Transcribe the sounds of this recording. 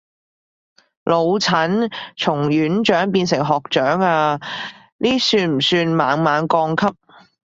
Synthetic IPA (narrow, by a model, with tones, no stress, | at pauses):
lʔo˨˧wt͡sʰɐ˨˥nt͡sʰʊ˨˩ŋjyː˨˥nt͡ʃœː˨˥ŋpiː˧nsɪ˨˩ŋɦɔː˨k̚t͡ʃœː˨˥ŋaː˧ | niː˥syː˧nm̩˨˩syː˧nmaː˨˧ŋmaː˨˧nkɔː˧ŋkʰɐ˥p̚